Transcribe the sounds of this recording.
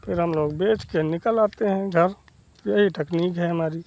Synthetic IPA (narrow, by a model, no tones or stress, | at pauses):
pʰɪɾɦɐmloːɡbeːt͡ʃkenɪkəlaːt̪eɦɛ̃ɡʱɐɾ | jəɦiʈɛkniːkɦɛɦɐmaːɾi